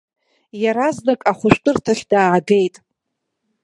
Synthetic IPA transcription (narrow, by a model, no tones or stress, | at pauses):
jaɾaznakʼaχʷʊʃᶣtʼɨrtʰaɬʲdaːɡejtʼ